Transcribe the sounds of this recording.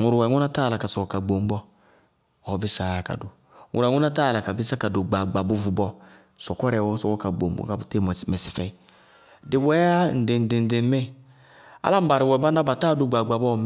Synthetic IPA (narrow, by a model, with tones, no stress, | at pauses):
ŋu˨ɾwɛ˨ŋu˦na˦ta˦˨la˨ka˨sɔ˨kɔ˨ka˨ɡ͡bo˨ŋ͡mbɔ˦ | ɔ˨˦bɪ˦sa˦˨ka̰˨du˨ | ŋṵ˨ɾɛ˨ŋu˦na˦ta˦˨la˨ka˨bɪ˦sa˦ka˨do˨ɡ͡ba˨ɡ͡ba˨bu˦vu˨bɔ˦ | sɔ˨kɔ˦ɾɛ˨wɔ˦sɔ˨wɔ˦ka˨ɡ͡bo˨m˦bɔ̰˨ka˨bu˨te˦˨m˨mɛ˨si˨fɛ˦˨ | dɪ˨wɛ˨˦a˦n̩˨dɪ˨n˨dɪ˨n̩˨dɪ˨˦me˦ | a̰˦la˦m̩˦ba˨ɾɪ˨wɛ˨ba˦n˦a˦ba˨ta˦˨du˨ɡ͡ba˨ɡ͡ba˨bɔ˦˨m˦